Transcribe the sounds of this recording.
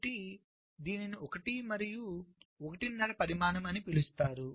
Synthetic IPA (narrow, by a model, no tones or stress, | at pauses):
ʈi | d̪iːniniɔkɐʈimɐɾijuɔkɐʈinːɐɽɐpɐɾimaːnɐmɐnipilust̪aːɾu